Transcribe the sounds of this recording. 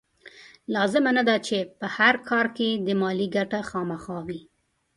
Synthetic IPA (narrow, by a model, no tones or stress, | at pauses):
lɑzɪmanad̪at͡ʃepəhaɾkʰɑɾked̪əmɑliɡaʈaxɑmaxɑwi